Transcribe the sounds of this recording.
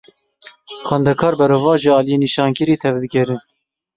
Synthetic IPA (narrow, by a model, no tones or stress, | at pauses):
xɛnd̪ɛkʰɑːɾbɛɾoːvɑːʒiɑːlijeːniʃɑːnkɨɾiːt̪ʰɛvd̪ɨkʲɛɾɨn